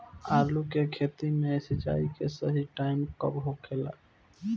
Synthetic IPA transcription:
alukekʰet̪imesit͡ʃa̰ikesəɦiʈaɪmkə̰bɦokʰela̰k

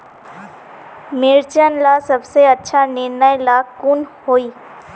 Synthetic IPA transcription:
mɪɾt͡ʃənlasəbseətːʃʰanɪnajlakʊnɦoːiː

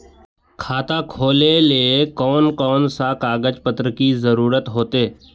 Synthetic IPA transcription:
kʰaːt̪akʰoːleliekɔːnkɔːnsakaːɡəd͡ʒpət̪ɾəkizəɾuːɾət̪ɦoːt̪eː

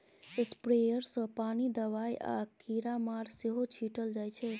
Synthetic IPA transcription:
espɾejəɾsə̃panid̪əβajʔa̰kiɾamaɾseɦot͡ʃʰiʈəld͡ʒajt͡ʃʰɛ

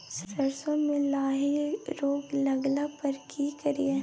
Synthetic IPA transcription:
sɾɐɾsõmẽlaːɦiɾoːɡlɐɡlapɐɾkʰikɐɾie

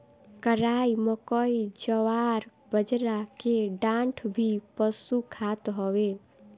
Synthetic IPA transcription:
kəɾaːiməkɔid͡ʒəʋaːɾ | bəd͡ʒɾakeɖãɳʈʰbʱipəsukʰat̪ɦɔwe

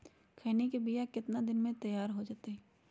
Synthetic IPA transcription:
kʰɛːnekebijakɪt̪nad̪ɪnmẽt̪ɐjaːɾɦod͡ʒaːt̪eɦɛ

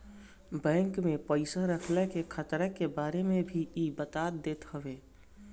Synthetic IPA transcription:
bɛ̃ːŋkmepəɪsəɾəkʰlɛkekʰət̪ɾəkebaːɾemebʱiibət̪at̪d̪eːt̪həbe

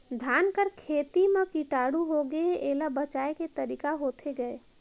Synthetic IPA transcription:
d̪ʱaːnkəɾkʰet̪imẽkiʈaːɽuɦoɡəeeːlabət͡ʃaːeket̪əɾikaɦot̪ʰeɡəe

